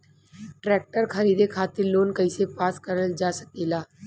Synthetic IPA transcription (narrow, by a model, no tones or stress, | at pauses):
ʈɾɛːk̚ʈəɾkʰɐɾiːd̪ekʰaːt̪ɪɾloːnkɐisepaːskəɾəld͡ʒaːsək̚eːlaː